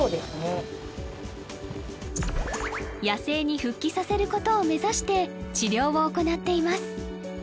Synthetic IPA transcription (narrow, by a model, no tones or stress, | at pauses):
oːd̪e̞sɨne | jase̞ːɲ̟iɸɯ̟kʲːisase̞ɾɯ̟ko̞t̪o̞ːme̞zaɕi̥t̪e̞t͡ɕiɾʲo̞ːβooko̞nat̪ːe̞imasɨ̥